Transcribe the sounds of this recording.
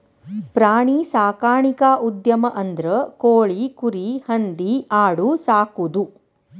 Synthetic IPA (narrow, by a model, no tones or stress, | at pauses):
pɾaːɳisaːkaːɳikaʔud̪jɐmɐʔɐnd̪ɾɐkoːɭikuɾihɐnd̪iaːɽusaːkud̪u